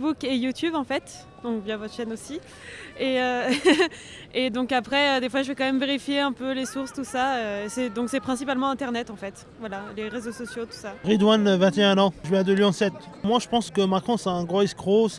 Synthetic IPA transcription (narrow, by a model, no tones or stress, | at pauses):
bukejut̪ybɑ̃fɛt̪ | d̪ɔ̃kvjãvɔt̪əʃɛnosi | eø | ed̪ɔ̃kapχɛød̪efwaʒəvɛkɑ̃mɛmveʁifjeɛ̃pølesuʁst̪usaøesɛd̪ɔ̃ksɛpχɛ̃sipalmɑ̃ɛ̃t̪ɛʁnɛt̪ɑ̃fɛt̪ | vwalaleʁezosɔsjot̪u̥saʁid̪wanvɛ̃t̪eɛ̃nɑ̃ʒəvjɛ̃d̪əlyɑ̃sɛt̪ | mwaʒəpɑ̃skəmakχɔ̃sɛɛ̃ɡʁɔiskχos